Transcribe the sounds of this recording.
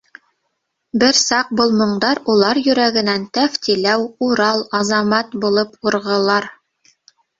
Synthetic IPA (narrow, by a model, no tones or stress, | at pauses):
bɘɾsɑq̚bŏlˠmŏɴd̪ɑɾulˠɑɾjɵ̆ɾæɡɘ̆nænt̪æft̪ilæwuɾɑlˠɑzɑmɑt̪bulˠɤpuɾʁɤ̆lˠɑɾ